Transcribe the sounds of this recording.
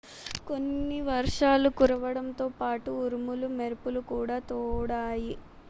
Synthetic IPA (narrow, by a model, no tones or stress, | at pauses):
ko̞nːiʋɐɾʂaːlukuɾɐʋɐɽɐmt̪o̞ːpaːʈuːɾumulumeɾupulukuːɽaːt̪ɔːɽaːji